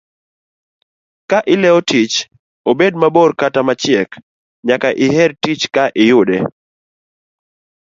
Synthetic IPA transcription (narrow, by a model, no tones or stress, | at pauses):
kaʔɪlɛɔtit͡ʃ | obedmaborkatamat͡ʃɪɛk | ɲakaʔɪɦɛrtit͡ʃkaʔɪjʊdɛ